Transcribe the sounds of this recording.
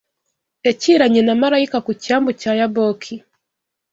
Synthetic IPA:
ɛt͡ʃiɾaɲɛnamaɾaikakut͡ʃambut͡ʃajabɔkʰi

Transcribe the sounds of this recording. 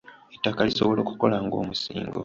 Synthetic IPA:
etːakalisoβo̞lo̞ːku̥ko̞laŋɡo̞ːmusḭːŋɡo̞̰

